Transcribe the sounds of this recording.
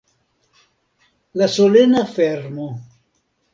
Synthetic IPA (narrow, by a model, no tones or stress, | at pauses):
lasolenafeɾmo